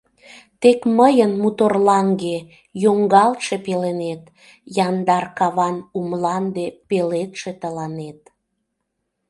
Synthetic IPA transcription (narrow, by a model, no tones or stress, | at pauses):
t̪ekməjənmut̪orlɑŋɡe | joŋɡɑlt̪ʃepelenet̪ | jɑnd̪ɑrkɑβɑnumlɑnd̪epelet̪ʃet̪əlɑnet̪̚